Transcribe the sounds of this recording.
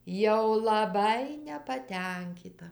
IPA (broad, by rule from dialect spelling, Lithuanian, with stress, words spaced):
jɛʊ lˠɐˈbɐɪ nʲɛpɐˈtʲɛŋʲkʲiːtɐ